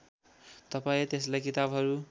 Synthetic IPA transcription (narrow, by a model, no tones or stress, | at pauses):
t̪ʌpaĩt̪eslajkit̪abɦʌɾu